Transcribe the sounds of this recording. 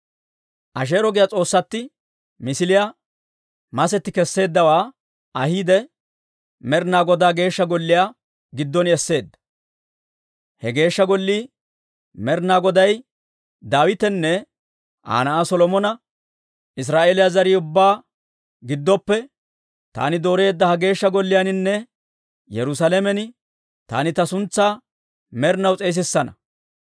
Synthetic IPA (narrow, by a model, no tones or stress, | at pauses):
ʔɐʃ̬e̞ːɾɔɡɪjat͡sʼo̞ːsːɐt̪ːɪ | mɪsɪlɪja | mɐs̬ɛt̪ːɪkɛsːe̞ːd̪ːɐwaː | ɐhiːd̪ɛ | mɛɾnaːɡɔd̪aːɡe̞ːʃːɐɡɔlːɪja | ɡɪd̪ːɔnɛsːe̞ːd̪ːɐ̥ | hɛɡe̞ːʃːɐɡɔlːiː | mɛɾnaːɡɔd̪ɐj | d̪aːwɪt̪ɛnːɛ | ʔa̰ːnɐʔasɔlɔmɔnɐ | ɪs̬ɾaːʔeːlɪjazɐɾiːʊbːaː | ɡɪd̪ːɔpːɛ | t̪a̰ːnɪd̪o̞ːɾe̞ːd̪ːɐhɐɡe̞ːʃːɐɡɔlːɪjanɪnːɛ | jɛɾʊsɐlɛmɛnɪ | t̪a̰ːnɪt̪ɐsʊnt͡sːaː | mɛɾnɐwt͡sʼeːs̬ɪsːɐnɐ̰